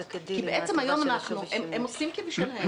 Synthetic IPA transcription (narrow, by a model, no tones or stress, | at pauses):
kibeʔet͡semhajomanaχnuʔememoslimkiviʃilhe